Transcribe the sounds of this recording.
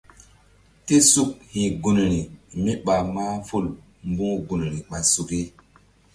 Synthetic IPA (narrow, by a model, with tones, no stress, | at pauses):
te˦su˦˨k̚hĩ˨ɡu˨n˨ɾi˨mi˦ɓa˨ma˦fu˦l | mbũ˦ɡu˨n˨ɾi˨ɓa˨su˨ke˦